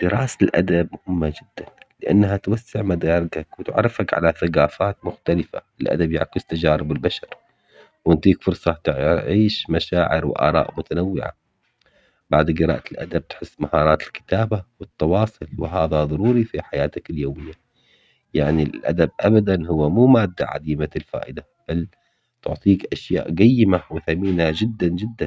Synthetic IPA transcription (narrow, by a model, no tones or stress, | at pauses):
d̪̥ɪɾɑːsalʔa̰d̪abmʊhɪmːad͡ʒɪd̪ːanlɪʔa̰nːɦat̪wasːɪʕmad̪ɑːɾˤɪɡakwɪt̪ʕa̰rˤːɪfakʕa̰laθaɡɑːfaːt̪mʊxt̪alɪfa̰ɪlʔa̰d̪abja̰ʕkɪst̪ad͡ʒaːɾɪbɪlbaʃɑɾˤ | wɪnt̪iːkfʊɾˤsˤɑt̪ʕiːʃmaʃaːʕɪɾwɪ̰ʔɑ̰ːɾˤɑ̰ːʔmʊt̪anawːɪ̰ʕa̰ | baʕd̪ɡɨɾɑ̰ːʔt̪ɪlʔa̰d̪ab̚t̪ħɪsːmahɑːɾˤɑːt̪ɪlkɪ̥t̪aːbawɪt̪ːɑwɑːsˤɨlwɪ̰ɦaːðaðˤɑɾuːɾifiħajaːt̪akɪljoːmɪjːa | jaʕnillʔa̰d̪ab̚ʔabad̪anɦʊwːamuːmaːd̪ːa̰ʕa̰d̪iːmaɪlfa̰ːʔɪd̪a | b̥al | t̪ʊʕt̪ˤiːkʔaʃja̰ːʔɡajːɪmawɪθamiːnad͡ʒɪd̪ːand͡ʒɪd̪ːan